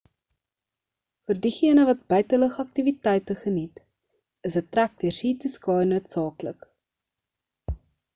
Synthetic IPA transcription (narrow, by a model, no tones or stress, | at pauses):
fərdiχiənəvɐt̚bəjtələχɐk̚tivitɛjtəχənit | əsɦətːræk̚diərsiːtuskɑːjnuətsɑːklək